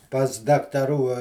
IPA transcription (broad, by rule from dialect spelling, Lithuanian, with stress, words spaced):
pɐs dɐktɐˈruː